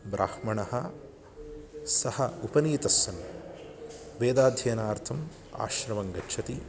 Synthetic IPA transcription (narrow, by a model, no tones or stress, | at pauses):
bɾʔa̰ːhmɐɳɐhɐ | sɐhɐupɐniːt̪ɐsːɐn | ʋeːd̪aːd̪ʱjɐːnaːɾt̪ʰɐm | a̰ːʃɾɐʋɐŋɡɐt͡ʃːʃʰɐt̪i